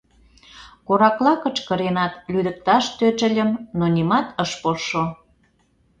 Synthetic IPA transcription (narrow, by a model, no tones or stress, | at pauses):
koɾɑklɑkət͡ʃkə̆ɾenɑt̪lyd̪ə̆k̚t̪ɑʃt̪øt͡ʃə̆lʲə̆mnonʲimɑt̪əʃpoʃo